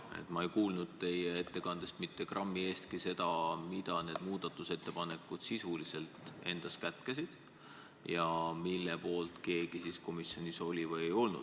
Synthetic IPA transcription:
ḛt̪ːˑmɑe̞jkuːlnud̪̥̚t̪e̞jee̞t̪ːe̞kɑnd̪̥e̞st̪mit̪ːe̞krɑmːie̞ːst̪kise̞d̪ɑmid̪̥ɑne̞ːd̪̥muːd̪̥ɑt̪ːˑuse̞t̪ːe̞pɑne̞kːˑud̪̥sisulise̞lt̪ˑe̞̰nd̪̥ɑskæt̪kesid̪̥ | jɑmilːepo̞ːlt̪ke̞ːɡ̥isisko̞misjo̞nʲiso̞lʲivɤje̞jo̞lnṵd̪̥

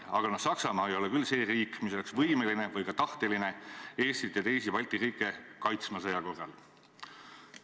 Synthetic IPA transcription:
ɑɡ̥ɑnɑ̥sɑksɑmɑːejo̞lekylːse̞ːriːkːmis̬o̞le̞ksvɤjmeline̞vɤjkɑt̪ɑht̪eline̞e̞ːst̪it̪ːɑt̪e̞jsipɑlʲt̪iriːkˑːe̞kɑjt̪smɑs̬ɤjɑko̞rːɑ̰l

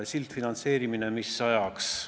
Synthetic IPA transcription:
esilt̪finɑnt̪se̞ːɾiminemisɑjɑks

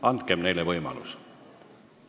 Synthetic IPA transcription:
ɑnt̪̚kemne̞jlevɤjmɑ̰lṵs

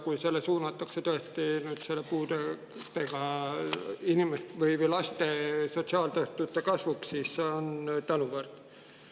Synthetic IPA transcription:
kujse̞lːesuːnɑt̪ːˑɑkset̪oest̪inyːd̪̥se̞lːepuːd̪e | t̪eɡ̥ɑ | inimest̪vɤjvəjlɑst̪e̞so̞t̪ʲsiɑːlt̪øht̪ut̪ːˑe̞kɑsvukssiːsːeont̪ɑnuvɤrt̪

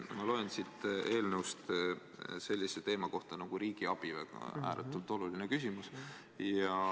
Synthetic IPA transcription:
mɑlo̞ensit̪e̞ːlneust̪ | se̞lʲːiset̪e̞ːmɑko̞ht̪ɑnɑɡ̥uɾiːɡ̥iɑb̥ivḛæ̰ːɾʔḛt̪ːˑult̪ˑo̞lulinekysʲimus | jɑ

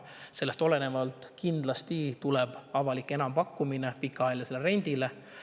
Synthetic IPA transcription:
se̞lːest̪o̞le̞ne̞vɑlt̪ˑkind̪lɑst̪it̪uleb̥ɑvɑlikːˑe̞nɑmpɑkːˑuminepikːˑɑɑeljɑse̞leɾe̞nʲd̪̥ile

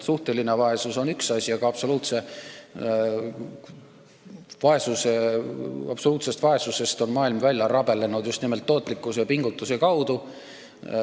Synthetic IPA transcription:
suht̪e̞linevɑe̞suso̞nyksɑsʲiɑɡ̥ɑɑpso̞luːt̪se̞ | vɑe̞suse̞ | ɑpso̞luːt̪se̞st̪vɑe̞suse̞st̪o̞nmɑːilmvælʲjɑɾɑb̥e̞lenud̪just̪nime̞lt̪ːo̞ːt̪ːˑlikːˑusepiŋɡ̥ut̪ːˑus̬ekɑwd̪̥u

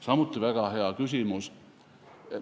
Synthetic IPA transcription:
sɑmut̪ˑːivæɡ̥ɑɦeɑkysimus

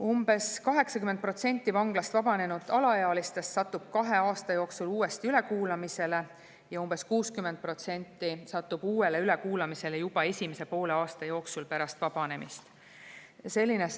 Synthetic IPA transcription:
umb̥e̞skɑɦe̞ksɑkymːent̪̚pro̞t̪se̞nʲt̪ːˑivɑŋɡ̥lɑst̪vɑb̥ɑne̞nud̪̥ɑlɑjɑːlist̪e̞st̪sɑt̪ːub̥̚kɑɦe̞ɑːst̪ɑjo̞ːksuluːe̞st̪iyle̞kuːlɑmise̞le̞ | jɑumb̥e̞skuːskymːend̪̥̚pro̞t̪se̞nʲt̪ːisɑt̪ːub̥uːe̞le̞yle̞kuːlɑmise̞lejub̥ɑe̞sʲimese̞po̞ːle̞ɑːst̪ɑjo̞ːksulpæɾɑst̪vɑb̥ɑne̞mḭst̪ | se̞lʲːine

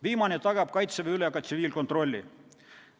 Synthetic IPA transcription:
viːmɑnet̪ɑɡɑb̥̚kɑjt̪seveylekɑt̪siviːlko̞nt̪ro̞lʲːḭ

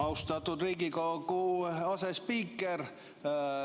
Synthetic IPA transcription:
ɑust̪ɑt̪ːud̪̥riːɡikokuɑsespiːkːˑer

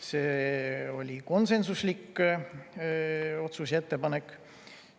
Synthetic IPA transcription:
seːo̞lʲiko̞nse̞nsuslikː | o̞t̪suset̪ːepɑne̞kːˑ

